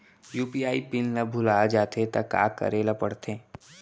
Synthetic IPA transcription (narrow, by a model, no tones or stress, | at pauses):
juːpiaːipɪlnɐbʱʊlaːd͡ʒaːt̪et̪ɐka̰ːkə̰ɾeːlapəɽt̪ʰẽː